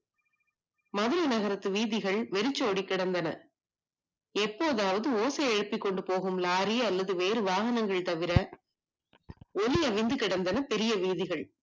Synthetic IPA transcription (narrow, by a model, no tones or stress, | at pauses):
mɐðɯɾinɐɣɐɾɐt̪ːɯʋiːðɪɣɐɭʋɛɾɯt͡ʃːoːɽikːɪɽɐnd̪ɐnɐ̰ | ɛpːoːðaːʋɐðɯoːsɐɛɻɯpːɪkːɔɳɖɯpoːɣɯmlaːɾiɐlːɐðɯʋeːɾɯʋaːɣɐnɐŋɡɐɭt̪ɐʋɪɾɐ | ɔlɪɐʋɐɪnd̪ɯkɪɽɐnd̪ɐnɐpɛɾɪjɐʋiːðɪɣɐɭ